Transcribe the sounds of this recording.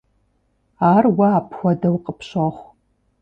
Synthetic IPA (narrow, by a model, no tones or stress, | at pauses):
aːrwaːpʰxʷɔdɐwqʼəpʰɕaχʷ